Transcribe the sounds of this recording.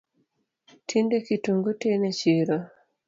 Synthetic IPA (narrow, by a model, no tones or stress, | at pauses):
tʰindekituŋɡutenet͡ʃiɾɔ